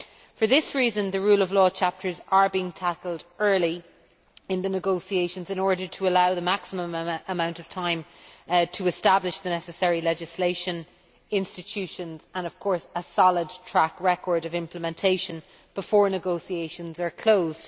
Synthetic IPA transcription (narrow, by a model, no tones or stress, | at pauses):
fə˞ðɪsɹiːzə̃nðəɹuːləvlɔːt͡ʃʰap̚tʰə˞zə˞biɪ̃ŋtʰakəlˠdɜ˞li | ɪ̃nðənəɡoʊsieɪʃə̃nzɪ̃nɔɹɾə˞tʰəəlaʊðəmaksəmə̃məmãʊ̃ntəv̥tʰãɪ̃mtʰəɪstablɪʃðənɛsəsɛɹilɛd͡ʒɪsleɪʃə̃n | ɪ̃nstɪt͡ʃʰʉʃə̃nzə̃nəv̥kʰɔɹsəsɑlɪd̚tʰɹ̥akɹɛkʰɔːɹɾəvɪ̃mpləmɛ̃ntʰeɪʃə̃n | b̥ɪfɔːɹnəɡoʊsieɪʃə̃nzə˞kʰl̥oʊzd̥